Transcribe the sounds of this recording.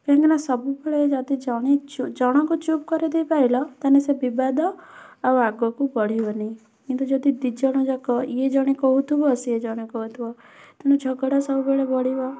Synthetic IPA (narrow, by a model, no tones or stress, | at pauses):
kãŋkinasɔbubeɭed͡ʒat̪id͡ʒɔɽ̃it͡ʃud͡ʒɔɽ̃ɔkut͡ʃup̚kɔɾid̪eipailɔt̪anesebibad̪ɔaaɡɔkubɔɽ̤iʋɔnĩ | kint̪ud͡ʒɔd̪id̪id͡ʒɔɽ̃ɔd͡ʒakɔied͡ʒɔɽ̃ikɔɦut̪ʰubɔsied͡ʒɔɽ̃ikɔɦut̪ʰubɔ | t̪ɔned͡ʒʱɔɡɔɽɔsɔbubeɭebɔɽ̤iʋɔ